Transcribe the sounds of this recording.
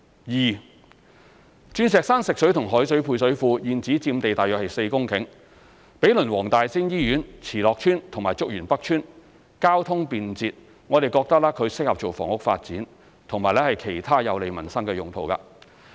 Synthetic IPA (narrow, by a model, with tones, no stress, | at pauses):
jiː˨˩ | t͡ʃyː˧nsɛː˨k̚saː˥nsɪ˨k̚sɵ˨˥ɥt̪ʰʊ˨˩ŋɦɔː˨˥jsɵ˨˥pʰuː˧js̬ɵ˨˥ɥfuː˧jiː˨˧nt͡siː˨˥t͡siː˧mt̪e˨jt̪aː˨jœː˨k̚hɐ˨jse˧jkʊ˥ŋkʰɪ˨˥ŋ | pe˨˥jlɵ˨˩nwɔː˨˩ŋt̪aː˨jsi˥njiː˥jyː˨˥nt͡sʰiː˨˩lɔː˨k̚t͡ʃʰyː˥nt̪ʰʊ˨˩ŋmaː˨jt͡sʊ˥k̚jyː˨˩npɐ˥k̚t͡ʃʰyː˥n | kaː˥wt̪ʰʊ˥ŋpiː˧nt͡siː˧t̚ | ŋɔː˨˧ɾe˨jkɔː˧k̚t̪ɐ˥k̚laː˥kʰɵ˨˧ɥsɪ˥k̚hɐ˨p̚t͡so˨wfɔ̰ː˨˩ŋʊ˥k̚fa̰ː˧t̚t͡siː˨˥n | t̪ʰʊ˨˩ŋmaː˨jlɛː˥hɐ˨jkʰe˨˩jt̪ʰaː˥jɐ˨˧wle˨˧jmɐ˨˩nsɐ˥ŋkɛː˧jʊ˨ŋt̪ʰo˨wka̰ː˧